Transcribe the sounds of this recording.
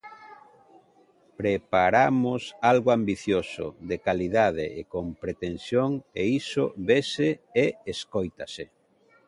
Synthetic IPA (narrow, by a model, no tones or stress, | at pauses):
pɾepaɾamʊsalɣoambiθjosʊ̰ðekaliðað̞eʔekompɾet̪ensjoŋeisoβeseeeskojt̪ase